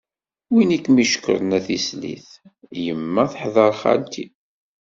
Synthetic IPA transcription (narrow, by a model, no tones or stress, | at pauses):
winikːmiʃə̥kːə̰ɾˤnæθislḭθjəmːæθħðˤɑɾˤχa̰lt̪ʰi